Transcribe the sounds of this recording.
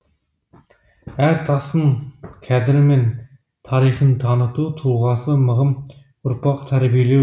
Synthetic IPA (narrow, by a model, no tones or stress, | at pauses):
æɾt̪ʰɑsəŋkʲʰæd̪ɪɾɪmen | t̪ʰɑɾijχənt̪ʰɑnət̪ut̪ʰulˠʁɑsəməʁəm | ʊɾpɑqt̪ʰæɾbijele